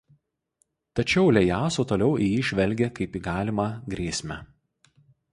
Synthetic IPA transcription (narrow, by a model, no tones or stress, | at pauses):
t̪ɐt͡ʃʲɛʊlʲɛjɑːsoːt̪oːlʲɛʊijiːʒʲʋʲɛlʲɡʲekɐɪpiːɡɑːlʲɪmɑɡɾʲiːsʲmʲɛ